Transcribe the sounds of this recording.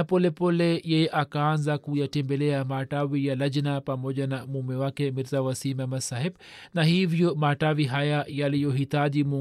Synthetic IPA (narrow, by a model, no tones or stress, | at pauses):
apɔlɛpɔlɛjɛjɛʔakaːnzakujatɛmbɛlɛamaːtawijalaʄnapamɔʄanamumɛwakɛmiɾzawasimamasahɛɓ | nahivjɔmaːtawiɦajajalijɔɦitaʄimu